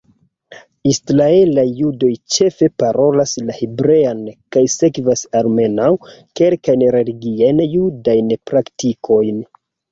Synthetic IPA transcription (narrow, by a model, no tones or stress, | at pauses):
isɾae̞lajːudo̞jt͡ʃe̞fe̞paɾo̞laslahebɾe̞ankajse̞kvasalme̞nawke̞lkajnɾe̞liɡiajnjudajnpɾaktikʰo̞jn